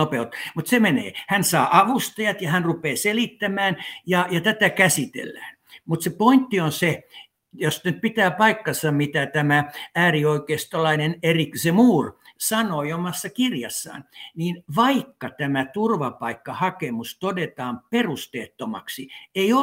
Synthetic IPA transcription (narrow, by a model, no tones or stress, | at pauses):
opeot̪mut̪semenḛːhænsɑːʔɑʋust̪ɑjɑt̪jɑhænrupeːselit̪ːæmæːnjɑjɑt̪æt̪ækæsit̪ḛlːæːn | mut̪sepoint̪ːionse | jost̪nyt̪̚pit̪æːpɑikːɑnsɑmit̪æt̪æmææːrioikeːst̪olɑineneriksemuːrsɑnoiomɑsːɑkirjɑ̰sːɑ̰ːnniːnʋɑikːɑt̪æmæt̪urʋɑpɑikːɑhɑkemust̪odet̪ɑːmperust̪eːt̪ːomɑ̰ksieio